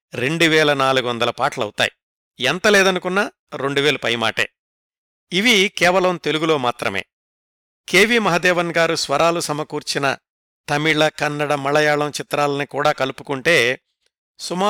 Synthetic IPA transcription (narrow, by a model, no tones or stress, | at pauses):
ɾe̞ɳɖuʋɛːlɐnaːluɡuʋɐnd̪ɐlɐpaːʈlɐɐ̰wt̪a̰ːji | ɛnt̪ɐlɛːd̪ɐnukunːaː | ɾe̞ɳɖuʋeːlupɐjma̰ːʈḛː | iʋikɛːʋɐlɐmt̪e̞luɡulo̞ːmaːt̪ɾɐ̰me̞̰ː | keːʋimɐɦɐd̪ɛːʋɐnɡaːɾusʋɐɾaːlusɐmɐkuːɾt͡ʃinɐ̰ | t̪ɐmiɭɐkɐnːɐɽɐmɐɭɐjaːɭɐmt͡ʃit̪ɾaːlɐnikuːɽaːkɐlupu̥kuɳʈe̞ː | sumaː